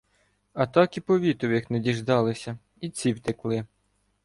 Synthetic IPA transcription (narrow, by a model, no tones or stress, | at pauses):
ɐt̪ɑkipɔʋʲit̪ɔwʲixnedʲiʒd̪ɑlˠɪsʲɐ | it͡sʲiwt̪ɪklˠɪ